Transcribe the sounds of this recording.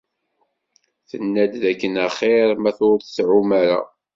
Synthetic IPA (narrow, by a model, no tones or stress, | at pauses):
θənːæd̪ðækːənəχeɾmæθʊɾθsʕumæɾa̰